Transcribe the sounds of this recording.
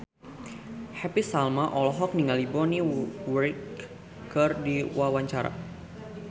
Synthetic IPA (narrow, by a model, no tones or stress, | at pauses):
hɛpisalmaʔɔlɔɦɔk̚niŋalibɔniwərk | kərdiwawaɲt͡ʃaɾa̰